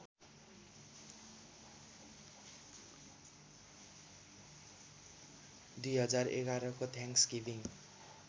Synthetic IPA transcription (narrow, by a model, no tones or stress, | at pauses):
d̪ujɦʌd͡zarḛɡaɾʌkot̪ʰaŋksɡibiŋ